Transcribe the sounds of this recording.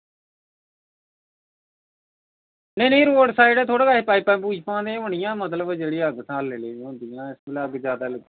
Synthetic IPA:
nẽːnẽːɾoːɖsaːɪɖɛːt̪ʰoːɽaːkaːipaːiːpɛ̃ːpuːd͡ʒpãːd̪ẽãːɦʊɳ̃ɪjãːmət̪ləbd͡ʒeːɽiːaːɡsãːlːeleːɦõːnd̪ɪjãːɪsbɪlaːɡd͡ʒjaːd̪aːləɡ

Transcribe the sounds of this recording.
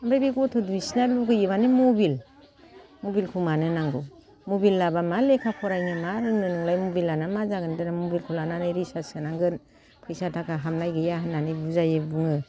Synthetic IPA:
ambɾajbiɡɔtʰɔduisnaluɡɯjɯbanimobil | mobilkʰumanɯnaŋɡɯ | mobilːabamalekʰakʰɔɾajŋɯmaɾɯnɯnɯŋlajmobilanamazaɡɯndɯnamobilkʰulananɯɾisasɯnaŋɡɯn | pʰɯjsatʰakʰaɦamnajɡɯjaɦɯnːanɯbuzajɯbɯŋɯ

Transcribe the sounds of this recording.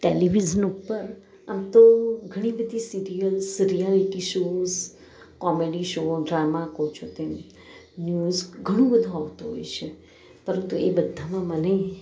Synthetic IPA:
ʈeliʋid͡ʒənupːəɾ | amt̪oɡʱəɽ̃ĩbəd̪ʱisiɾijəlsəɾijaʋikiʃoz | kɔmeɖiʃoɖɾamakot͡ʃʰot̪em | njuzɡʱəɽ̃ũbəd̪ʱũaʋt̪uɦo̰jt͡ʃʰe | pəɾənt̪uebəd̪ʱːamãməne

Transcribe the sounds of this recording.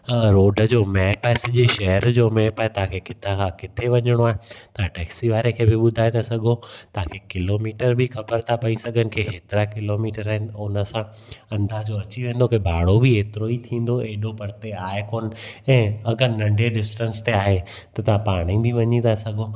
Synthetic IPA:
ɾoːɖəd͡ʑoːmɛːpaːesɐʄeʃɐɦəɾd͡ʑoːmɛːpaːɦet̪ɐɦãkʰekɪt̪ʰakʰãkɪt̪ʰeʋɐɲəɽ̃oaːɦet̪ɐãʈɛːksiʋaːɾekʰeːbɪɓʊd̪ʱaːet̪ʰasɐɡʱot̪ɐɦãkʰekɪloːmiːʈəɾbʱɪxɐbəɾt̪ʰapɐisɐɡʱənɪ̆kʰeːɦeːt̪ɪɾakɪloːmiːʈəɾaːɦɪnɪ̆ʊnəsã | ɐ̃nd̪aːɦd͡ʑoɐt͡ɕiʋẽːn̆d̪okebʱaːɽobɪeːt̪ɪɾoit̪ʰĩːn̆d̪oeːɗopɐɾt̪eaːɦekoːnɪ̆ɛ̃ːɐɡəɾnɐ̃ɳɖʱeɖɪsʈə̃nst̪eaːɦe | t̪ɐt̪ɐʋ̤ãpaːɽ̃ĩbɪʋɐɲit̪ʰasɐɡʱo

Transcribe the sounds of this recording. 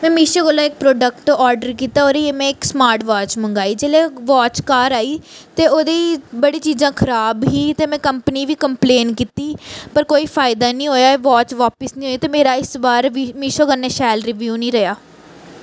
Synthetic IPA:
mɛ̃ːmiːʃoːɡəlːãːɪk̚pɾoːɖək̚ʈʈoaːɾɖəɾkiːt̪aːɦoːɾeːemɛ̃ːɪksmaːɾʈʋaːt͡ʃmə̃ŋɡaːiːd͡ʒeːleːʋaːt͡ʃkaːɾaːiːt̪eːoːd̪eiːbəɽiːt͡ʃiːzãːkʰəɾaːbɦiːt̪eːmɛ̃ːkəmpəniːʋiːkəmpleːnkiːt̪iːpəɾkoːiːfʰaːɪd̪aːnĩːɦoːjaːʋaːt͡ʃʋaːpɪsnĩːɦoːiːt̪eːmeːɾaːɪsbaːɾʋimiːʃoːɡəneːʃɛːlɾɪʋjuːnĩːɾəjaː

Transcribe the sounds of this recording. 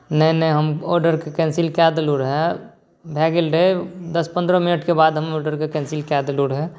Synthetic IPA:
nəɦinəɦiɦəmɔːɾɖəɾkekɛ̃ːnsilkɛːd̪luːɽɦɛ | bʱɛːɡɪlɖed̪ɐspə̃nd̪ɾəmɪnəʈkebaːd̪ɦɐmɔːɾɖəɾkekɛ̃ːnsɪlkɛːd̪luːɽɦɛː

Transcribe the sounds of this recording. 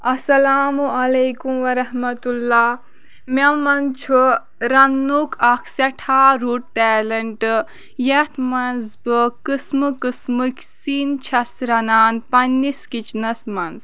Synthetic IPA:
ɐsɐlaːmuʔɐlejkumʋɐɾɐhmɐt̪ulːaː | mʲɐmɐnt͡ʃʰu | ɾɐnːukʰɐkʰsɐʈʰaːɾuːʈ̚ʈɛːlɐɳʈ | jɐt̪ʰmɐnzbɨkɨsmɨkɨsmɨkʲsiːnt͡ʃʰɐsɾɐnaːnpɐnːiskit͡ʃʰnɐsmɐnz

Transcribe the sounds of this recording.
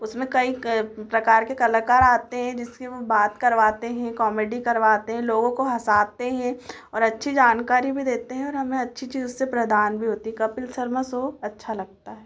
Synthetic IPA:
ʊsmẽkɐipɾɐkaːɾkekɐlakaːɾaːt̪eɦɛ̃d͡ʒɪskiʋobaːt̪kɐɾʋaːt̪eɦɛ̃kɔːmeːɖikɐɾʋaːt̪eɦɛ̃loːɡõkoɦɐsaːt̪eɦɛ̃ | ɔːɾɐtːʃʰid͡ʒaːnkaːɾibʱid̪eːt̪eɦɛ̃ɔːɾɦɐmẽɐtːʃʰit͡ʃiːzsepɾɐd̪aːnbʱiɦoːt̪iɦɛkɐpɪlsɐɾməsoːɐtːʃʰalɐɡ̚t̪aɦɛː

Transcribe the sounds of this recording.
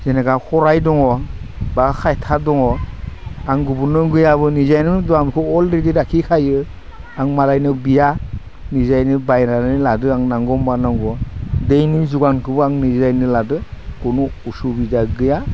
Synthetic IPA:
zenaɡahɔɾajdɔŋɔbakʰajtʰadɔŋɔ | aŋɡubunɯɡɯjaβɯnizajnɯdɔamkʰɔɔlɾediɾakʰikʰajɯ | aŋmalajnɯbija | nizajnɯbajnanɯladɯaŋnaŋɡɔmbanaŋɡɔdejnizuɡankʰɯbɯaŋnizajnɯladɯɡ̥ɔnuusubizaɡɯja

